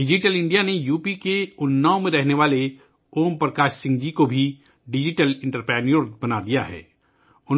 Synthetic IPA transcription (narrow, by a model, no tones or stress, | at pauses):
ɖɪd͡ʒɪʈəlɪ̃ɳɖijanejuːpikeʊnːaːõmẽɾɛɦneʋaːle | oːmpɾɐkaːʃsɪ̃ŋɡd͡ʒikobʱi | ɖɪd͡ʒɪʈəlɪ̃ɳʈəɾpɛːnijoɾbɐnad̪ija̰ɦɛ̰ː | ʊn